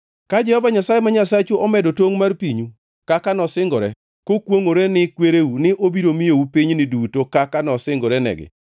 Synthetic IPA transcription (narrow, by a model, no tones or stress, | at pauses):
kad͡ʒɛhɔvaɲasajemaɲasat͡ʃuʔɔmɛdotoŋmarpiɲu | kakanɔsɪŋɡɔɾɛ̰ | kokwoŋoɾenɪkweɾewunɪʔobiɾomɪjoupiɲnɪdutokakanɔsɪŋɡɔɾɛnɛ̰ɡɪ̰